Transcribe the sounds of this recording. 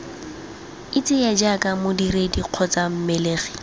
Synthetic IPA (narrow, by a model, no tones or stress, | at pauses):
ɪt͡sʼɪjad͡ʒakʼamodiɾediq͡χʰɔt͡sam̩mɛleːɣi̥